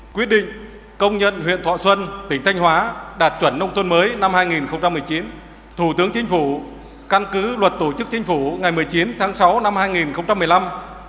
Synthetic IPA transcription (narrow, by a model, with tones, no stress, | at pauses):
kwi˦˥ət̚ɗḭ̈˧˨ŋ̟ | kə˧wŋ͡mɲə̰˧˨nɦwḭ˧˨ənt̪ʰwa̰ː˧˨swə˧nt̪ï˧˩ŋ̟t̪ʰa˧jŋ̟hwaː˨˦ɗaː˨˩t̚t͡ɕwə˧˩nːə˧wŋ͡mt̪ʰwə˧nməː˨˦jna˧mhaː˧jŋi˨˩nxə˧wŋ͡mt͡ɕa˧mːɨ˨˩əjt͡ɕi˨˦n | t̪ʰu˧˩t̪ɨ˨˦əŋt͡ɕï˨˦ŋ̟fu˧˩ | ka˧nkɨ˨˦lwə˨˩t̚t̪o˧˩t͡ɕɨ˦˥k̚t͡ɕï˨˦ŋ̟fu˧˩ŋa˨˩jmɨ˨˩əjt͡ɕi˨˦nt̪ʰaː˨˦ŋsa˨˦wna˧mhaː˧jŋi˨˩nxə˧wŋ͡mt͡ɕa˧mː˨˩əjla˧m